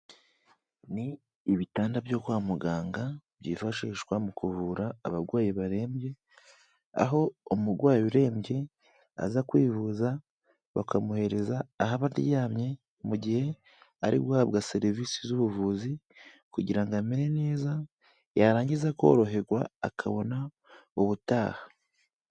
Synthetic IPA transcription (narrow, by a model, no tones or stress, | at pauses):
niː | βitaːndabjo̞kwaːmuɡaːŋɡabjiːfaʃiːʃkwamukuvuːɾaːβaɡwaːjiβaɾe̞ːmbje̞ | a̰ɦo̞ːmuɾɡwaːjuɾe̞ːmbɟe̞ | a̰zakwiːvuza | βakamuhe̞ɾe̞zaːɦaβadḭjaːmɲe̞ | muɟihe̞ | aɾḭɡwaːβɡase̞ɾiviːsizuβuvuːzi | kuɟiɾaŋɡameɾe̞ne̞ːza | jaɾaːɲɟizako̞̰ɾo̞ɦe̞ɾɡwa̰ːkʰaβo̞na | uβutaːha